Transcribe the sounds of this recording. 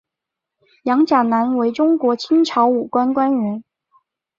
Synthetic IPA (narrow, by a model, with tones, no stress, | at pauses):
jɑ˧˥ŋt͡ɕja˨˩na˧˥nwe˧˥ɪʈ͡ʂʊ˥ŋkwɔ˧˥t͡ɕʰi˥ŋʈ͡ʂʰɑ˧˥ʊu˨˩kwa˥nkwa˥nɥɛ˧˥n